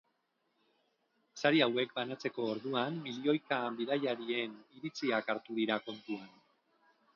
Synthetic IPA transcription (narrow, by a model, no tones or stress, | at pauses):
saɾiawe̞k̚banat͡se̞ko̞ːɾðuamːilio̞jkambiðajaɾie̞niɾit͡siakaɾt̪uðiɾako̞nt̪uan